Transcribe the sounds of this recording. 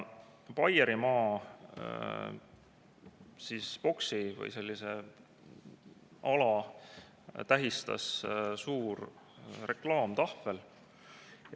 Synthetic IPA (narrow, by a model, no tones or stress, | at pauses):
pɑjeɾimɑː | sispo̞ksivɤ̰jse̞lʲːise̞ | ɑlɑ | t̪æɦist̪ɑ̰ssuːɾ | re̞klɑːmt̪ɑhfe̞l